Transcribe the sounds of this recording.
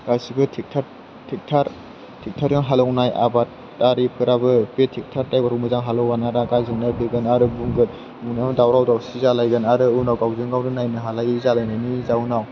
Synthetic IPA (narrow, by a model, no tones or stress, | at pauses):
ɡ̥asibɯtʰik̚ʰaɾ | tʰik̚tʰaɾ | tʰik̚tʰaɾjɔŋɦalɔwnaja̰batː | aɾipʰɯɾabɯpetʰik̚tʰaɾtajbaɾʰɔmɯzaŋɦalɔwanaɾaɡazɯŋnɯbʰɯɡɯnaɾɯbuŋɡɯt̚ | munamɯdawɾawdawsizalajɡɯnaɾɯɯnawɡawzɯŋɡawɾɯnajnɯɦalajizalajnajnizaunaw